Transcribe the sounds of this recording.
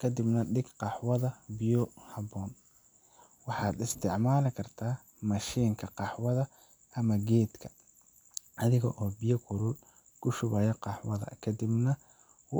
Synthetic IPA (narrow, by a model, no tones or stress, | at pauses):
kʰɐd̪ɪbnɐɖɪɡqɑħwɐðɐbɪjɔhɐbɔːn | wɑħɑːd̪ɪst̪ʰɪʕmaːlɪkʰɐrt̪ʰaː | mɐʃiːŋkʰɐqɑħwɐðɐ | ʔɐmɐɡɛːd̪kʰɐ̥ | ʔɐðɪɣɐʔɔːbijɔkʰʊɾʊl | kʰʊʃʊβɐːjɐqɑħwɐðɐ̰kʰɐd̪ɪbnɐ